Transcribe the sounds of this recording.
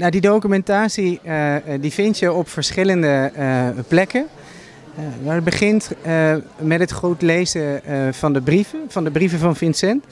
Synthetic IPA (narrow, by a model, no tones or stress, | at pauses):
nadidowkymɛntaːsi | divɪntjəɔpfəɹsχɪləndəplɛkə | abəχɪnt | mɛtɦətχrowtlejzəv̥ɑndəbrivəvɑndəbrivəvɑnvɪnsɛnt